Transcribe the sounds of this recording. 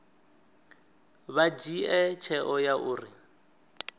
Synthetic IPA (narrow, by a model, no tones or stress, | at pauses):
βad͡ʒiɛt͡ʃʰɛʔɔjaʔuːri